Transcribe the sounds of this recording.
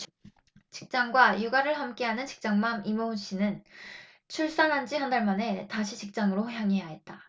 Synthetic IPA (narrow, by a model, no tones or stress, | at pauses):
t͡ɕi̥k̚t͡ɕ͈aŋɡwajuɡaɾɯɭɦamk͈e̞ɦanɯnt͡ɕi̥k̚t͡ɕ͈aŋmamimounɕ͈inɯn | t͡ɕʰuɭs͈anɦand͡ʑihandaɭmane̞taɕʰit͡ɕik̚t͡ɕ͈aŋɯɾoçjaŋe̞jaɦe̞t̚t͈a